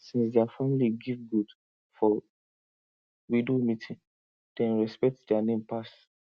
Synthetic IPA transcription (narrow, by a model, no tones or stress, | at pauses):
sĩnsdɛafamiliɡivɡud | fɔ | widomitʰĩn | d̥ɛ̃nɹɛspɛk̚tdɛanẽmpas